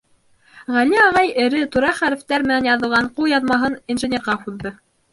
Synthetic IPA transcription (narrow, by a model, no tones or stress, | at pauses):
ʁæliɑʁɑjɘ̆ɾɘt̪uɾɑχæɾɘ̆ft̪æɾmɘ̆nænjɑðɤ̆lˠʁɑɴqulˠjɑðmɑɦɤninʒɘ̆nʲeɾʁɑquððɤ